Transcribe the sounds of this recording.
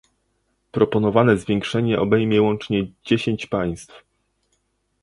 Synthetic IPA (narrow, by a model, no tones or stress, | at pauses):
pɾɔpɔn̪ɔvanɛzvʲjɛŋkʂɛɲɛʔɔbɛjmʲjɛwɔnt͡ʂɲɛd͡ʑeɕeɲt͡ɕpaj̃st̪f